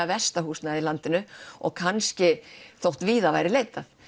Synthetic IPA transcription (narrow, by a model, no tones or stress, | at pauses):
avɛst̪aɦuːsnaɪlant̪ɪnʏɔ̰ɣkʰanscɪθowht̪viːðavajɾɪleːjt̪aθ